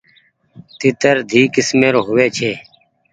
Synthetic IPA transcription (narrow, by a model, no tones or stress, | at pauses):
t̪it̪əɾd̪ʱiːkɪsmeːɾoːɦʊʋeːt͡ʃʰeː